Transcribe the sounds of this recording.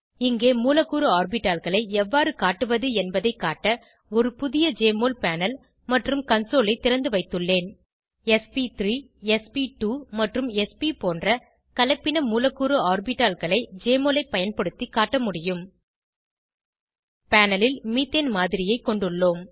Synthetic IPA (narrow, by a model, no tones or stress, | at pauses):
ɪŋɡeːmuːlɐkːuːɾɐːɾbɪʈːaːlɣɐɭɐɪɛʋːaːɾɯkaːʈːɯʋɐðɯɛnbɐðɐɪkːaːʈːɐ | ɔɾɯpʊðɪjɐd͡ʒeːmoːlpaːnɐl | mɐʈrɯmkɐnsoːlɐɪt̪ːɪɾɐnd̪ɯʋɐɪt̪ːɯɭːeːn | ɛspit̪ɾiː | ɛspiʈuːmɐʈrɯmɛspipoːndrɐ | kɐlɐɪpːɪnɐmuːlɐkːuːɾɯaːɾbɪʈːaːlɣɐɭɐɪd͡ʒeːmoːlɐɪpːɐjɐnpɐɽɯt̪ːikːaːʈːɐmʊɽɪjɯm | paːnɐlɪlmiːt̪ːenmaːðɪɾɪjɐɪkːɔɳɖɯɭːoːm